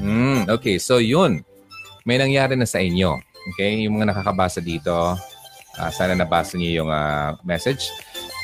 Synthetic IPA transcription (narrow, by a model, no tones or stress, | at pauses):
m̩ʔoːkejso̞jʊn | mɐjnɐŋjaːɾɪnɐsɐʔɪɲjo̞̰ʔoːkɛjjʊŋmɐŋanɐkakɐbaːsɐd̪iːt̪o̞ | ʔa̰saːnɐnɐbaːsɐɲojʊŋa̰mɛsɛd͡ʒ